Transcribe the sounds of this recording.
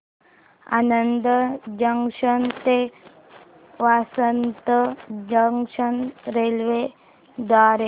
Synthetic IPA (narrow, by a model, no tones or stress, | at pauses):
a̰nənd̪əd͡ʒəŋʂənt̪e | ʋasənt̪əd͡ʒəŋʂənɾelʋe | d̪waɾe